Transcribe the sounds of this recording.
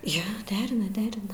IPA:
ˈjoː ˈdʲæːrʲɪnɐ ˈdʲæːrʲɪnɐ

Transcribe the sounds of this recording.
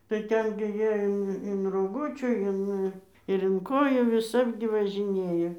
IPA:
tɐɪ ˈtʲɛn ɡʲɪ ˈjiɛ ˈɪn ɪn roːˈɡʊt͡ʃʲuː ˈɪn ɪr ɪn ˈkoːjuː ʋʲɪˈsɐp ɡʲɪ ʋɐʒʲɪˈnʲeːjoː

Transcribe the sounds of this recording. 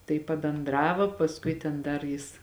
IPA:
tɐɪ pɐbʲɛnˈdrɑːʋoː pɐsˈkʊɪ tʲɛn ˈdɐr ˈjɪs

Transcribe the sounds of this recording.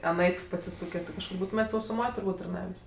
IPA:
ɐˈnɐɪp pɐsʲɪˈsuːkʲeː kɐʃˈkʊr ˈbuːtʊmʲeːtʲ sɐʊsʊˈmoːj tʊrˈbuːtʲ tɐrˈnɑːʋʲeːsʲ

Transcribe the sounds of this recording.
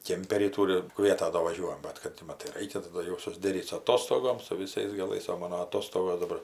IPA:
ˈkʲeːmʲpʲɛrʲiː ˈtuːrʲɪ ˈkʋʲiɛtɐ doː ʋɐˈʒʲuɔjɛm ˈbɐt kɐt tʲɪ ˈmɑːtɐɪ ˈrɐɪkʲɛ tɐˈdɐ jɛʊ sʊzʲˈdʲæːrʲiːt sʊ ɐˈtoːstoːɡoːm sʊ ʋʲɪˈsɐɪs ɡɐˈlˠɐɪs oː ˈmɑːnoː ɐˈtoːstoːɡoːs dɐˈbɐr

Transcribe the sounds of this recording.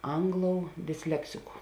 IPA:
ˈɐŋɡˌlˠoːʊ dʲɪsʲˈlʲæːksʲɪkʊ

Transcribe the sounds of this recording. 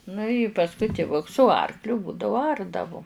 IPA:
nʊ ɪ pɐsˈkʊɪ tʲɪˈʋʊks sʊ ˈɐrklʲʊ ˈbuːdɐʋʊ ˈɐrdɐʋʊ

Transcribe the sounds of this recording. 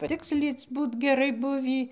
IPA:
pɐˈtʲɪksʲlʲiːt͡s ˈbuːt ɡʲɛˈrɐɪ ˈbʊʋʲiː

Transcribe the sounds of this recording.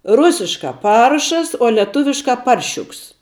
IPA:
ˈrʊsʲɪʃkɑː ˈpɐrʃɐs oː lʲiɛˈtʊʋʲɪʃkɑː ˈpɐrʲʃʲʊks

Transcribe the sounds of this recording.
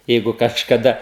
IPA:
ˈjɛɪɡʊ kɐʃkɐˈdɐ

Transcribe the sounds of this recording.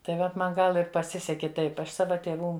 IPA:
tɐɪ ˈʋɐt ˈmɐn ˈɡɐlˠ ɪr pɐˈsʲɪsʲɛkʲɪ ˈtɐɪp ˈɐʃ ˈsɑːʋɐ tʲeːˈʋuː

